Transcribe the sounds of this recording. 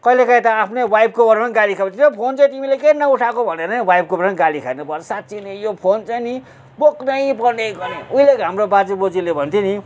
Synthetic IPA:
kʌilekʌj̃t̪ʌapʰnewajb̚kobʌrmanɡalikʰabnt̪iɾʌpʰont͡saĩt̪imilekenʌuʈʰakobʱʌneɾʌnwajb̚kobʌrmnɡalikʰanupʌt͡sʌsat̪t͡sinejopʰont͡saini | boknʌj̃pʌnejɡʌɾeuilekɦamrobad͡zibod͡zilebʱʌnt̪ʰini

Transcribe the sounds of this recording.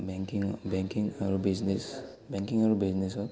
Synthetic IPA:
beŋkiŋbɛŋkiŋaɾubiznes | bɛŋkiŋaɹubiznesɔ

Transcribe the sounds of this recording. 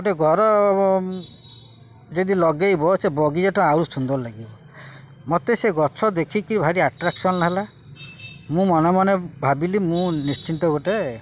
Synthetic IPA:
ɡoʈeɡʱɔɾɔ | d͡ʒed̪ilɔɡejbɔsebɔɡid͡ʒeʈɔaɾusund̪ɔɾlaɡibɔ | mot̪eseɡɔt͡ʃʰɔd̪ekʰikiɾibʱaɾiaʈɾaksɔnlaɦela | mũmɔnɔmɔnebʱabilimũnist͡ʃint̪ɔɡoʈe

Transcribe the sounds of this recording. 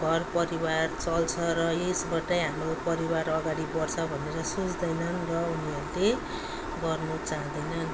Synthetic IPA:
ɡʱʌrpʌɾibart͡sʌlt͡sʰʌrʌesbaʈʌjɦamropʌɾibaɾʌɡaɽibʌrt͡sʰʌbʱʌneɾʌsut͡sd̪ʌjnʌnrʌuniʌɾule | ɡʌrnut͡saɦãd̪ʌjnʌn

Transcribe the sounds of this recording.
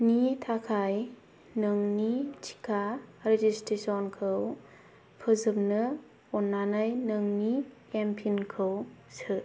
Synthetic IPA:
nitʰakʰaj | nɯŋnitʰi̥kʰaɾed͡ʒistɾesɔnkʰɯw | pʰɯzɯp̚nɯ | ɔnːanajnɯŋnikempʰinkʰɯwsɯt

